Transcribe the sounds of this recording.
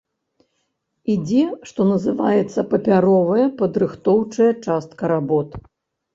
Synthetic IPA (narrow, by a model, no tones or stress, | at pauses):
id͡zʲɛʂt̪ɔnɐzɨvajɛt̪sːɐpɐpʲaɾɔvɐjɐpɐd̪ɾɨxt̪ɔwt͡ʂɐjɐt͡ʂast̪̚kɐɾabɔt̪